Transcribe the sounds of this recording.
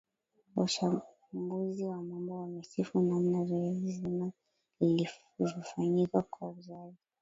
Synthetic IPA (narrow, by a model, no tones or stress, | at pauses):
waʃa | mɡuziwamambɔwamisifunamnaviɛzima | ili | vɔfaɲikakwauzazi